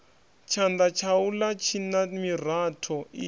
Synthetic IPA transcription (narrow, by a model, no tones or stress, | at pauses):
t͡ʃʰand̪at͡ʃʰawulat͡ʃʰinamir̤atʰɔḭ